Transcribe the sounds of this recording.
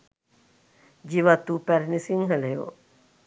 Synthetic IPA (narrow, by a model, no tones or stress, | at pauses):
d͡ʒiʋat̪upɛɾnisiŋɦəlejo̰